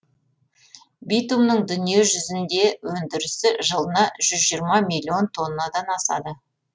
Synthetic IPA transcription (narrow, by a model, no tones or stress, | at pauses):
bijt̪umnəɴd̪ʏnije̞ʒʏzɪnd̪e̞wɵnd̪ɪɾɪsɪʒəlˠənɑʒ̥ʏzʒiəɾmɑmilʲːio̞nt̪ʰo̞nːɑd̪ɑnɑsɑ̰d̪ə